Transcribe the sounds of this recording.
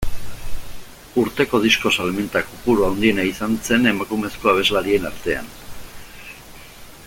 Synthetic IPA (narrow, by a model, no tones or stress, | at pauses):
uɾt̪e̞ko̞ð̞isko̞salmint̪akupuɾuawnd̪ie̞naisanse̞ne̞makume̞sko̞aβ̞e̞zlaɾie̞naɾt̪e̞a̰n